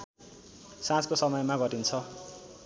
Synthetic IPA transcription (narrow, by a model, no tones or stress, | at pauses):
sãt͡skosʌmʌjmaɡʌtint͡sʰʌ